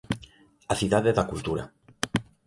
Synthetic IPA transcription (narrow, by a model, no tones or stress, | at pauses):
aθiðaðeðakult̪uɾa̰